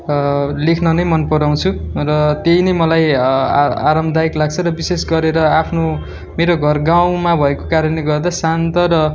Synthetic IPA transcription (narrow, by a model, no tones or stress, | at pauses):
lekʰnʌnʌjmʌnpʌɾaw̃t͡sʰurʌt̪ejnʌjmʌlaj | a̰ɾʌmd̪ʱaiklaɡt͡sʰʌɾʌbisesɡʌɾeɾʌapʰno | meɾoɡʱʌrɡaw̃mabʱʌeko̥kaɾʌneɡʌrd̪asant̪ʌɾʌ